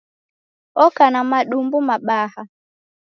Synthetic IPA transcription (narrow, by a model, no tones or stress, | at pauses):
ɔkanamaɗumbumaɓaha